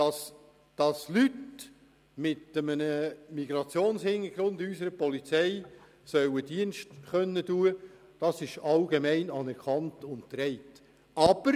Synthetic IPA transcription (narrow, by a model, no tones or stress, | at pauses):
d̥ɑs | d̥ɑslyt | mɪtəmənəmiɡ̥ɾɑt͡sjoːnshɪnːəɡ̥ɾʊndysəɾəpɔlit͡sɛɪ | sœwəd̥iənʃtχœnːətuːə | d̥ɑsɪʃɑlɡ̥emɛɪnɑnɛɾkʰɑntʊnt̚tɾɛɪt | ɑb̥əɾ